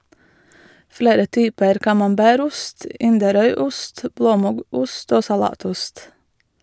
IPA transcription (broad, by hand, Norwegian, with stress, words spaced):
ˈfɽeːɾə ˈtyːpəɾ kɑmɑmˈbæːɾ ˈʊst ˈɪndəˌɾœʏˌʊst ˈbloːˌmʊɡuːst ˈoː sɑˈlɑːˌtʊst